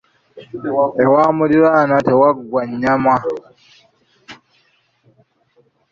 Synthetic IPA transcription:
ewaːmuliɾaːnatewaɡwaɲːamwa

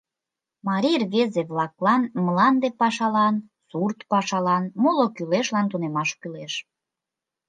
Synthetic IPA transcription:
mɑɾʲirβezeβlɑklɑnməlɑnd̪epɑʃɑlɑn | surt̪pɑʃɑlɑnmolokyleʃlɑnt̪unemɑʃkyleʃ

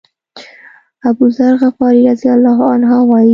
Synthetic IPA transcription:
abuzaɾɣafɑɾiɾazijalːɑɦanɦɑwɑi

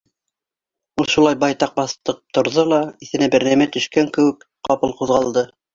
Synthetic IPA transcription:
ulˠʃulˠɑjbɑjt̪ɑq̚bɑθt̪ɤq̚t̪ŏɾðolˠɑiθɘ̆næbæɾnæmæt̪ɵ̆ʃkæŋkɘ̆wɘ̆k | qɑpɤlˠquðʁɑlˠd̪ɤ

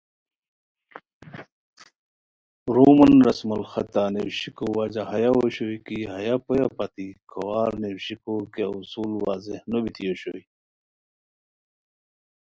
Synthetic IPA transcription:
ɾumɐnɾɐsmɐlxɐt̪anewɕikowad͡ʑaɦɐjaoɕojkiɦɐjapojapɐt̪ikʰɐwaːɾnewɕikokeusuːlwa̰ːzehnobit̪ʰijoɕoji

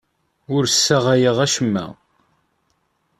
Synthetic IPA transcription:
ʊɾsːaʁæjəʁæʃəmːæ̰

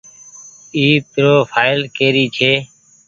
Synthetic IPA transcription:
iːt̪ɾoːpʰaːɪlkeːɾiːt͡ʃʰeː

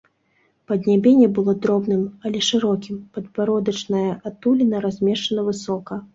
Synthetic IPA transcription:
pɐd̪ʲnʲabʲɛnʲɛbɨlˠɔd̪ɾɔbnɨmɐlʲɛʂɨɾɔkʲimpɐd̪paɾɔd̪ɐt͡ʂnɐjɐʔat̪ulʲinɐɾazʲmʲɛʂɐnɐvɨsɔkɐ

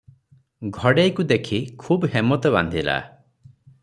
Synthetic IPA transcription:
ɡʱɔɽejkud̪ekʰikʰuːbɦemɔt̪ɔband̪ʱila̰

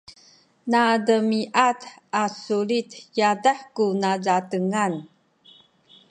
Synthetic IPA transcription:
nadəmiʔatasulit̪jadəħkunazatəŋan

